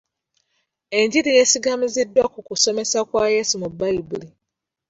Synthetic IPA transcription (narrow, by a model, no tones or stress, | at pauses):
e̞ɲɟiɾije̞siɡamizidːwakukuso̞me̞sakwajesumubːaibuli